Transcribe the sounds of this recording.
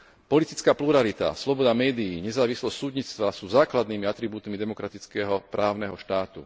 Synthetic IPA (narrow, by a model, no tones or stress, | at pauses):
pɔlit̪it͡skaːpluɾalit̪a̰slɔbɔd̪amɛːd̪iːɲɛzaːʋislɔstːsuːd̪ɲit͡st̪ʋasuːzaːklad̪niːmiat̪ɾibuːt̪mid̪ɛmɔkɾat̪it͡skɛɦɔpɾʔaːʊnɛɦɔʃt̪aːt̪ṵ